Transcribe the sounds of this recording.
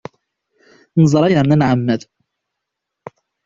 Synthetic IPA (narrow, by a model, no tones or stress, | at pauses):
nzˤɾˤɑjanænʕamːæd̪